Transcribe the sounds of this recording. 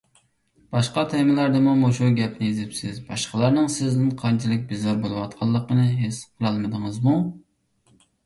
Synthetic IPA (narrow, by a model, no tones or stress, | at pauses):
b̥ɑʃqɑt̪ʰɛmɪlæɾd̪ɨmumoʃuɡʲɛp̚nɪjezɪpsɪzbɑ̰ʃqəlˠɑɾnɨŋsɪznɪnqʰɑnt͡ʃʰilˠɪk̚ʲbɪzɑɾbolˠɨwɑt̪qʰɑlˠːəqənɨɦesqʰəlˠɑlˠmɨd̪ɨŋɨzmu